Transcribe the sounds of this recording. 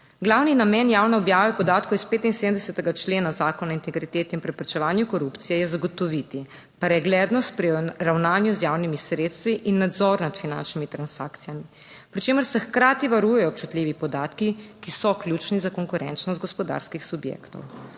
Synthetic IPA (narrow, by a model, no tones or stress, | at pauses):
ɡlawninamɛnjaːwnɛɔbjaːʋɛpɔd̪aːt̪̚kowjɛspeːt̪insed̪md̪ɛsɛt̪ɛɡat͡ʃleːnazaːkɔnaint̪ɛɡɾit̪eːt̪ɛinpɾɛpɾɛt͡ʃɛʋaːnjukɔɾupt̪sijɛjɛzaɡɔt̪ɔʋit̪i | pɾɛɡlɛːd̪nɔst̪̚pɾiɾawnaːnjuzjaːwnimisɾeːt̪st̪ʋiʔinːad̪zɔɾnat̪fina̰nt͡ʃnimit̪ɾansa̰ːkt̪sijami | pɾit͡ʃeːməɾsɛxkɾaːt̪iʋaɾujɛjɔp̚t͡ʃut̪lʲiːʋipɔd̪aːt̪kikisɔklʲjut͡ʃnizakɔŋkuɾʔɛ̰nt͡ʃnɔst̪ɡɔspɔd̪a̰ːɾskixsubjḛkt̪ɔ̰w